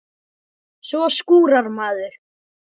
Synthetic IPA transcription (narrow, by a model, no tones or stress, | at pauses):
svɔskuːɾaɾmaːðʏɾ̥